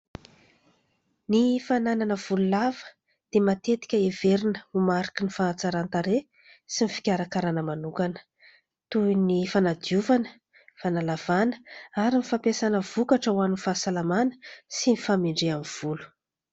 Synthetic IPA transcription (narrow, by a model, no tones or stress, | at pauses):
nifanananəv̥ululavə̥ | d̪̥emat̪et̪i̥kʲəeveɾinəumaɾi̥kinifat͡saɾant̪aɾe | sinifi̥kʲaɾakaɾanəmanukanə̥ | t̪uinifanad̪iuvanə̥ | fanalav̥anə̥aɾinifapesanəv̥ukaʈ͡ʂəwaninfasalamanə̥sinifamiɳɖ͡ʐeamiv̥ulu̥